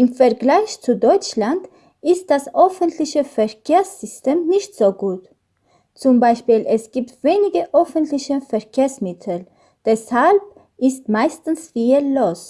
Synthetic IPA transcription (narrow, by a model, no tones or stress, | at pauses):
ʔɪmfɛɐɡlaɪçt͡sudɔʏt͡ʃland | ʔɪst̚d̥asʔœfəntʰlɪçəfɛɐkʰeːɐsz̥ʏstʰeːmnɪçtz̥oːɡuːt | t͡sʊmbaɪʃpiːlʔɛsɡ̥iːptv̥eːnɪɡəʔœfntlɪçəfɛɐkʰeːɐsmɪtʰl̩ | d̥ɛshalp̚ | ʔɪstmaɪstn̩sfiːloːs